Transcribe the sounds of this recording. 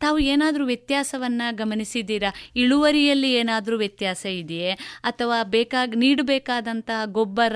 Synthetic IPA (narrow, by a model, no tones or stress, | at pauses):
t̪aːʋueːnaːd̪ɾuːʋjɐt̪jaːsɐʋɐnːɐɡɐmɐnisid̪ːiːɾɐiɭuʋɐɾijɐlːieːnaːd̪ɐɾuːʋjɐt̪jaːsɐid̪ɛjeɐt̪ʰɐʋaːbeːkaːɡniːɽbɛːkaːd̪ɐnt̪ɐɦɐɡobːɐɾ